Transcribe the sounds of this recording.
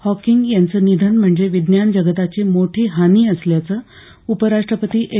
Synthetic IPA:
hɔkiŋɡjant͡səːnid̪ʱənm̤əɳd͡zeʋid̪njand͡ʑəɡət̪at͡ɕiːmoʈʰiːɦaniːəsljat͡səː | upəɾaʂʈɾəpət̪iːʔe

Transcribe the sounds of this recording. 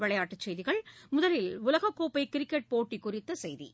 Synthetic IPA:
ʋɪɭɐjaːʈːɐt͡ʃːɛjðɪɣɐɭmʊðɐlɪlʊlɐɣɐkːoːpɐɪkɪɾɪkːɛʈ̚poːʈːikʊrɪt̪ːɐsɛjðḭ

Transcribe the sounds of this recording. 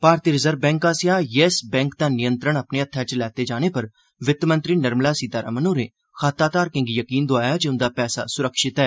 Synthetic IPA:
paːɾt̪iːɾɪzəɾbɛ̃ːŋkaːsɪjaːjɛːsbɛ̃ːŋk̚d̪aːnɪjə̃nt̪ɾəɽəpneːət̪ʰːaːt͡ʃəlɛːt̪eːd͡ʒaːñeːpəɾ | ʋɪt̪ːmə̃nt̪ɾiːnəɾmlaːsiːd̪aːɾa̰ːmənoːɾeː | xaːt̪aːt̪aːɾkɪ̃ŋɡijəkiːnd̪oaːjaːd͡ʒeʊnd̪aːpɛːsa̰ːsʊɾəkʃɪt̪ɛː

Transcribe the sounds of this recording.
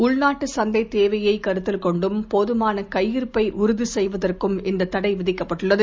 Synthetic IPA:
ʊɭnaːʈːɯsɐnd̪ɐɪt̪eːʋɐjɐɪkɐɾɯt̪ːɪlkɔɳɖɯmpoðɯmaːnɐkɐjːɪɾpɐɪʔʊɾʊðisɛjʋɐðɐrkɯmɪnd̪ɐt̪ːɐɽɐɪʋɪðɪkːɐpːɐʈːɯɭːɐðɯ

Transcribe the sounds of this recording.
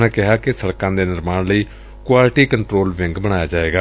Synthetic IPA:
nãːkɪɦaːkɪsəɽkãːd̪eːnɪɾmaːnləiː | kwaːlʈiːkəɳʈɾoːlʋɪ̃ŋɡbəɽ̃aːjaːd͡ʒaːeːɡaː

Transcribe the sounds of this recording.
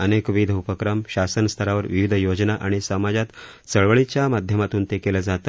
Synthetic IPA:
ənekʋid̪ʱəupəkɾəmɕasənst̪ʰəɾaʋəɾʋiʋid̪ʱjod͡ʑnaʔaɽ̃isəmad͡ʑat̪ | t͡səɭʋəɭit͡ɕjamad̪ʱjəmat̪uːnt̪ekeləd͡zat̪ə

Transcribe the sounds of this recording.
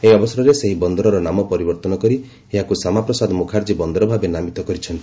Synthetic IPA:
eɦiɔbɔsɔɾɔɾeseɦibɔnd̪ɔɾɔɾɔnamɔpɔɾibɔɾt̪ɔnɔkɔɾi | eɦakusamapɾɔsad̪mukʰaɾd͡ʒibɔnd̪ɔɾɔbʱabenamit̪ɔkɔɾit͡ʃʰɔnt̪i

